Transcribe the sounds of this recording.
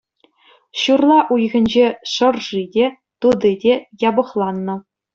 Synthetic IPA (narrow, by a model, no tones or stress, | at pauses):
ɕurlˠɑʔujɣʲɘ̆nʲd͡ʑeʂɤ̆rʐidʲe | t̪ud̪ɯdʲejɑbɤ̆χlˠɑnːɤ̆